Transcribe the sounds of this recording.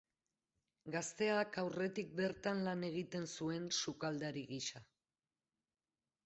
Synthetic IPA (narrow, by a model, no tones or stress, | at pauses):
ɡast̪e̞akawre̞t̪ik̚be̞ɾt̪anlane̞ɣ̞it̪e̞nsue̞nsukald̪aɾiɣiʃa